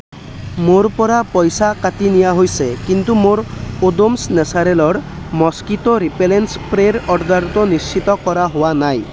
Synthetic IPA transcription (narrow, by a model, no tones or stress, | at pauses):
moɾpɔɾapɔjsakat̪inijaɦojsekint̪umoɾod̪omsnesaɾelɔɽ | mɔskit̪oɾipelenspɾeɾɔɽd̪aɾt̪ɔnist͡ʃit̪ɔkɔɾaɦowanaj